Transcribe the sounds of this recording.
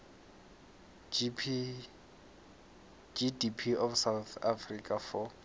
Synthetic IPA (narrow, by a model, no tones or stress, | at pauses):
d͡ʒidipʰiɔfsawθafrikʼafɔ